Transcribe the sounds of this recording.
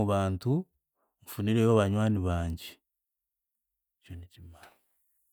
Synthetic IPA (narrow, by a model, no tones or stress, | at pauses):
uβaːntu | ɱfuniɾejoβaɲwaːniβaːɲɟi | conitima